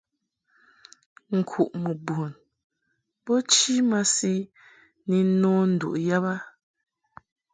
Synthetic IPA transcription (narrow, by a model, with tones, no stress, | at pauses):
ŋ̩˨kʰu˨ʔmu˨bu˨n | pɔ˦t͡ʃi˦ma˦si˦ | ni˨˦nɔ̃˦n̩˦˨dṵ˨ʔja˦ba˦